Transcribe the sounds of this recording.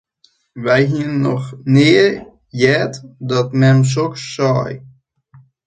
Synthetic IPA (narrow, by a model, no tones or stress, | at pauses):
ʋɛjɦiənnːɔxnɪər | jɛːtdɔtmɛms̬ɔksːɔːj